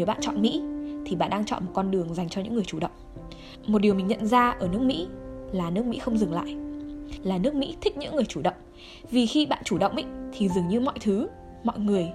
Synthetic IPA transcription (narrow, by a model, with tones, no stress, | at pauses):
e˧˩wɓa̰ː˧˨nt͡ɕɔ̰˧˨nmḭ˧˥t̪ʰi˨˩ɓa̰ː˧˨nɗaː˧ŋt͡ɕɔ̰˧˨nmo˨˩t̚kɔ˧nɗɨ˨˩əŋza˨˩jŋ̟t͡ɕɔ˧ɲɨ̰˧˥ŋɨ˨˩ət͡ɕu˧˩ɗə̰˧˨wŋ͡m | mo˨˩t̚ɗi˨əwmï˨˩ŋ̟ɲə̰˧˨nzaː˧ʔəː˧˩nɨ˦˥ək̚mḭ˧˥laː˨˩nɨ˦˥ək̚mḭ˧˥xə˧wŋ͡mzɨ˨˩ŋla̰ː˧˨jʔlaː˨˩nɨ˦˥ək̚mḭ˧˥t̪ʰi˦˥k̚ɲɨ̰˧˥ŋːɨ˨˩əjt͡ɕu˧˩ɗə̰˧˨wŋ͡m | vi˨˩xi˧ɓa̰ː˧˨nt͡ɕu˧˩ɗə̰˧˨wŋ͡mʔḭ˧˥t̪ʰi˨˩zɨ˨˩əŋɲɨ˧mɔ̰˧˨jt̪ʰɨ˨˦ | mɔ̰˧˨jŋɨ˨˩əj